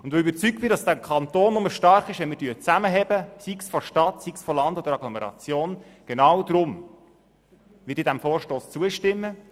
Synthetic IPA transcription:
ʊnd̥̪ʋoybəɾt͡syk̚b̥ɪdɑsd̥ækʰχɑnt̪oːnːʊməʃtɑɾχɪʃʋɛnmɪːdyːt͡sæməɦɛbəsiksfɔʃtɑt̪siksfɔlɑnd̥̪od̪əɾɑɡlɔmɛɾɑ̰t͡sjoːn | ɡ̥enɑwd̪ɾʊm | ʋɪdiːdæmfɔːrʃtoːst͡suəʃtɪmːə

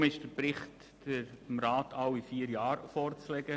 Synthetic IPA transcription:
mɪʃd̥əɾpɾɪχtː | əɾmɾɑːtʰɑwifiːəɾjɑːɾfɔrt͡slɛɡə

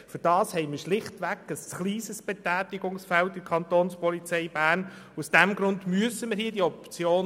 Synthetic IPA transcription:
fʏɾd̥ɑːshɛɪməʃlɪχtʋækəsχliːsəsb̥ɛtæːtɪɡʊŋsfɛltdɪkʰɑnt̪oːnspɔlit͡sɛɪbæːɾnusd̥æmɡɾʊndmyəsəməɾhiːədiɔpt͡sjoːn

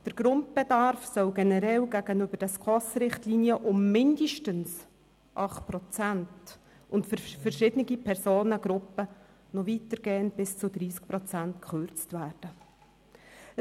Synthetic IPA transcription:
d̥əɾɡ̥ɾʊnt̚b̥ɛdɑɾfsœlɡɛnɛɾɛlɡæɡənʏb̥əd̥ɛskʰɔsɾɪχtliːnijəʔʊmːɪndəʃtəns | ʔɑχt̚pɾɔt͡sænt | ʊntfəfəɾʃɪd̥əniɡipʰɛɾsoːnəɡɾʊpːə | nɔvitəɾɡ̥ɛːənb̥ɪst͡sʊd̪ɾiːsk̚pɾɔt͡sæntkχøɾt͡stvæːrd̥ə

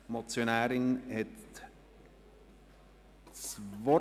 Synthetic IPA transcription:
mot͡sjonæːɾɪŋhɛt | t͡svɔ

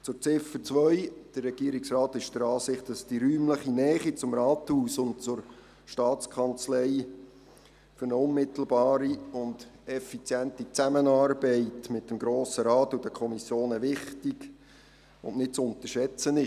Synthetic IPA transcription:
t͡sʊɾt͡sɪfət͡sʋœʏd̥ərːɛɡ̥iːɾiksrɑːtɪʃd̥əɾɑːsɪχtd̥ɑsd̥iɾyːmləχinɛːχit͡sʊmɾɑːthuːsʊnt̚t͡sʊɾ | ʃtɑːt͡skʰɑnt͡slɛɪ | fʏɾnəʊnmɪtl̩ˠbɑːɾiʊnd̥ɛfit͡sjɛntit͡sæmənɑːɾbɛɪtmɪt̚dəmɡɾoːsəɾɑːtːudəkʰɔmisjoːnɛʋɪχtiɡ | ʊ̰nnɪt̚t͡sʊnt̪əʃɛt͡sənɪ

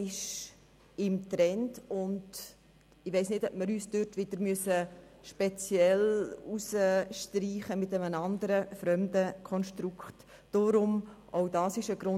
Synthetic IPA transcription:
ɪʃ | ɪmtɾɛndʊnd | ɪʋɛɪsnɪdœpməɾyːsd̥øtʋɪd̥əɾmyəsəʃpɛt͡sjɛlusəʃtɾiːχəmɪtɛmənɑndəɾəfɾœmdəkʰɔnʃtɾukχtː | ʊɾʊmʔɔʊdɑːsɪʃəɡɾʊ

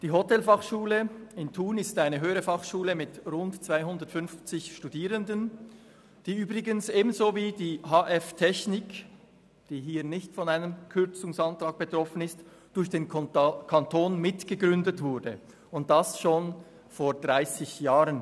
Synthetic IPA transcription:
d̥iːɦotɛlfɑχʃuːləɪntʰuːnɪstaɪnəɦøːʁəfɑχʃuːləmɪtʁʊntt͡svaɪɦʊndəɐtfʏnft͡sɪçʃtudiːʁəndən | d̥iːyːbʁɪɡənsʔeːbn̩zoːviːdiːɦaːʔɛftʰɛçnɪk | d̥iːɦiːɐnɪçtfɔnaɪnəmkʰʏɐt͡sʊŋsɑntʁ̥aːɡ̚b̥ətʁ̥ɔfənɪst | d̥ʊɾçd̥eːnkʰantʰoːnmɪtɡ̥əɡʁʏndətv̥ʊɐdə | ʊnt̚d̥asʃoːn | foːd̥ʁaɪsɪçjaːʁən

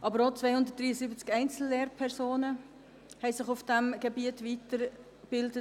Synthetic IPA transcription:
ʔɑbəɾot͡sʋɛɪhʊnd̪ət̚d̥ʁiːəsiːbət͡skɛɪnt͡sl̩ːeːɾpʰɛɾsoːnə | hɛɪsɪχufd̥æmɡ̥ebiətvitəɾ | b̥ɪldə

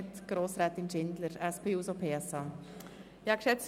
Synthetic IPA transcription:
t̪ɡ̥ɾoːsɾɛːt̪ɪnʃɪnd̪ləɾɛspʰeːuːsopʰeːɛsɑ | ɑkʃɛt͡s

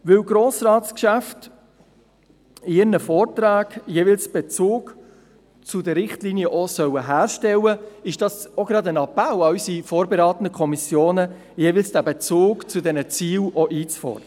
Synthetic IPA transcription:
ʋɪwɡɾoːsrɑːtskʃæft | ɪɪɾnəfɔːrtɾaːɡjevɪlsb̥ɛt͡suːk | t͡sʊdəɾɾɪχtliːniəʔɔsœwəɦæːɾʃtɛləɪʃd̥ɑsoɡ̥ɾɑdənɑpæwɑysifɔːɾbeɾɑːt̪ən̩dəkʰɔmisjoːnə | jevɪlsd̥æbɛt͡suːkt͡sʊdɛnət͡siːlɔʔiːt͡sfɔ̰rd̥̪ə

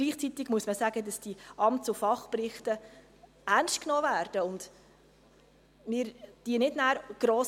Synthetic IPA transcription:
ɡ̥liːχt͡sit̪ɪɡ̥muəsməsæɡədɑsd̥iɑmtt͡sʊfɑχprɪχtə | ærnʃt̚knoːvæːrd̥əʊnd | mɪːɾd̥iənɪdnæːɾɡ̥ɾɔːs

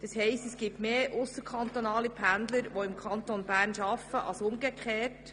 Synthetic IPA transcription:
d̥ɑshɛɪstɛsɡ̥ip̚tmeːʔʊsəɾkʰɑnt̪onɑːlipʰænd̪ləɾʋoɪmkʰɑnt̪onbæːɾnʃɑfːəʔɑ̰lsʊmɡəkχeːt

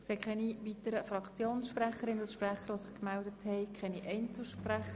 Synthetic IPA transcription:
sekχɛniʋitəɾəfɾɑkt͡sjoːnsʃpræχəɾɪnʊd̪ʃpræχəɾʋosɪχkmældəthɛɪkʰɛniʔɛɪnt͡sl̩ʃpræχə

